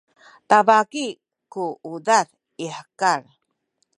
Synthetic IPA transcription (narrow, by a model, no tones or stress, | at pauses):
tavaki | kuudaθ | iħə̥kaɾ